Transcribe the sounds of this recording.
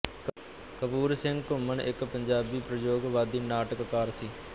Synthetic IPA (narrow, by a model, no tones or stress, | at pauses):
kəpuːɾsɪŋɡkʊməɳʔɪkpəɲd͡ʒaːbiːpɾəjoːɡʋaːd̪iːnaːʈəkːaːɾsiː